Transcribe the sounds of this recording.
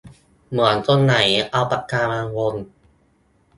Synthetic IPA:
mɯ˩˦ənt̪o˧nːa˩˦jʔa˧wpa˧˩kːaː˧maː˧ŋwo˧n

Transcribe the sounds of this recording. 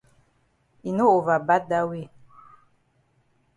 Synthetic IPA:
i˨no˦o˨va˨ba˦da˦wi˦˨

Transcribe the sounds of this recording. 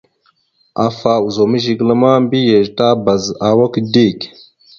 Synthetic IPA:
a˨fa˨u˨zo˨mə˦ʒi˨ɡla˦ma˦mbi˦je˨ʒta˦ba˨za˨wa˦kdi˦˨k

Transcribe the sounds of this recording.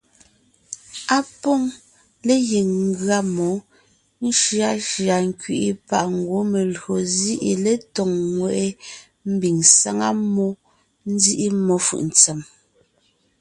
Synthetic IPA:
a˦pɔ˦˨ŋ | le˦je˨ŋŋ˦ɡɰa˦˨mɔ˨˦ | n̩˦ʃɰa˦ʃja˨ŋ̩˦kɥi˦˨ʔi˦pa˦˨ʔŋ̩˨ɡwo˨˦me˨lɰo˨zi˦ʔi˨le˦tɔ˨ŋːwɛ˨ʔe˦ | m̩˦bi˨ŋsa˦ŋa˦mɔ˦ | n̩˦zi˦ʔi˦mɔ˨˦fɯ̰˨ʔn˨t͡sɛ˨m

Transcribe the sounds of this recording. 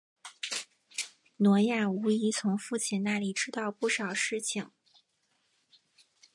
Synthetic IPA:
nwɔ˧˥ja˥˩u˧˥i˧˥t͡sʰʊ˧˥ŋfu˥˩t͡ɕʰi˥˩nna˥˩li˨˩ʈ͡ʂɻ̩˥t̪ɑ˥˧ʊpu˥˩ʂɑ˨˩ʊʂɻ̩˥˩t͡ɕʰi˨˩ŋ

